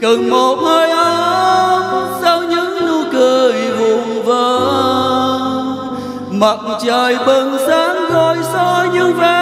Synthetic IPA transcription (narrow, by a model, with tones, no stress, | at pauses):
ɣə˨˩ŋmo˨˩t̚həː˧jʔə˧˦ | saː˧wɲɨ̰˧˥ŋnu˧kɨ˨˧˩jvu˧˩ŋ͡mvəː˨˦ | mə˨˩k͡p̚t͡ɕəː˨˩jɓə˧˩nsaː˨˦ŋzɔ˧˩jsɔ˧ɲɨ˧və˧˨˩